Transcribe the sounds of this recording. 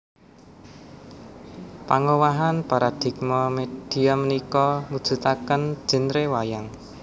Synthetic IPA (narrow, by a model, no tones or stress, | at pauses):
paŋowaɦanpaɾad̪̥i̤k̚mɔmed̪̥i̤amənikɔmud̥ʒ̥ṳt̪akən̥ʒ̥ə̤nɾewajaŋ